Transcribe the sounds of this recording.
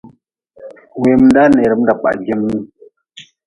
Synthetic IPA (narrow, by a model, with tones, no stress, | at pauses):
we˨m˦n˦da˦ne˨ɾə˨m˦da˨k͡pa̰˨ɡi˦m˦u˦